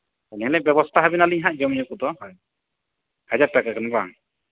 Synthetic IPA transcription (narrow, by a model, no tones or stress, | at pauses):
allɛbɛbɔst̪ʰaɦabinaliɲɦãʔd͡ʒɔmijɔkud̪ɔhj | had͡ʒaɾ̚t̪akakanba̰ŋ